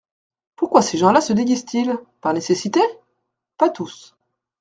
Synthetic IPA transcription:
puʁkwaseʒɑ̃lasəd̪eɡʲizt̪ʰilpaʁnesesit̪e | pat̪us

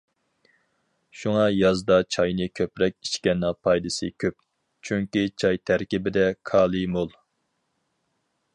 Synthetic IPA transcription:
ʃuŋɑjɑzd̪ɑt͡ʃʰɑjnɨkʲʰøpɾɛkʲiʃkʲɛnːɑpʰɑjd̪ɨsɨkʲʰøp̚ | t͡ʃʰyŋkʲit͡ʃʰɑjt̪ʰæɾkʲibɪd̪ɛkʰɑːlˠɨmolˠ

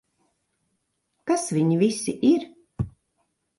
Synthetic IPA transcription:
kasvʲiɲivisiʔiɾ

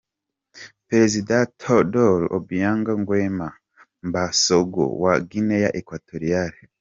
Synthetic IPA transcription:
peɾezidatʰodoɾo̰bijaːŋɡaŋɡwema | mbasoɡo̰waɡinejaʔekwatʰoɾiaɾi

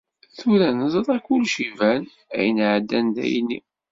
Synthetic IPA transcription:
θuɾænəzˤɾˤækːulʃivæn | æ̰jənʕəd̪ːænd̪æ̰jnːḭ

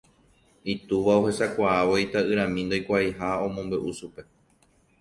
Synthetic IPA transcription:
it̪uʋaohe̞sakʷaaʋojt̪aɨɾ̃ãmĩnd̪ojkʷaiɦaõ̞mõmbeʔuʃupe̞

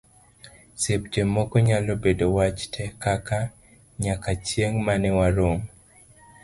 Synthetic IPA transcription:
sep̚d͡ʒemːɔkɔɲalobedowat͡ʃtʰɛkaka | ɲakat͡ʃjeŋmanɪwaɾom

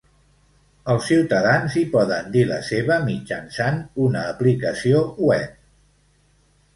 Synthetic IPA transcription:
əlˠsːiwt̪əðanzipɔðənd̪ilə̰seβəmid͡ʒənsanunəːplikəsiouɛp̚

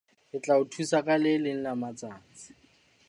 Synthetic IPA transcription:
ɪt͡ɬʼaʊtʰusakʼalɪlɪn̩namat͡saːt͡sɪ̥

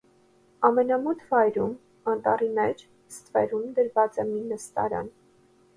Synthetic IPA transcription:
ɑmɛnɑmɔt̪ʰvɑjɾum | ɑnt̪ɑrimɛt͡ʃʰ | st̪vɛ̰ɾumd̪əɾvɑt͡sɛminəst̪ɑ̰ɾɑ̰n

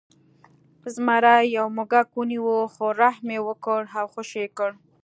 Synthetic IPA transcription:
zmaɾajawmʊɡakwuniwəxoɾahmewəkəɽawxoʃekəɽ

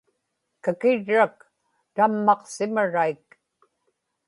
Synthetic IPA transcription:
kakɪɻːak̚ | t̪amːɑqsɪmaɻaik

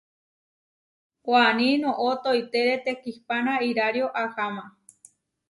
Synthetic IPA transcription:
kʷanĩnõʔot̪ojt̪eɾet̪ekihpanãiɾaɾjoʔahamã

